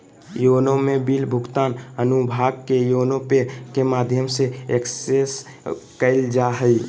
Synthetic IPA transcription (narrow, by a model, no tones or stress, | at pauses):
joːnõmẽbilbʱʊɡt̪aːnənubʱaːɡkejoːnõpekemaːd̪ʱjəmseekses | kəɪld͡ʒaɦəi